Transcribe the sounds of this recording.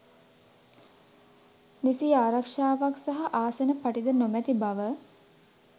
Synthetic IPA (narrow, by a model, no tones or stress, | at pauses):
nisiaːɾakʂaːʋaksaɦaʔaːsenəpaʈid̪ənomæt̪ibaʋə